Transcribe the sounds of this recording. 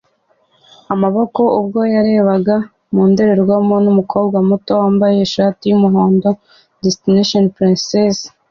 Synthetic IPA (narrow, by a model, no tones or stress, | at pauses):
amaβoko̞ub̚ɡo̞jaɾe̞ːβaɡa | muːnde̞ɾe̞ɾɡwamo̞numukʰo̞ːbɡwamuto̞waːmbajeʃatijumuɦo̞ːndo̞ | destineʃonpɾinsez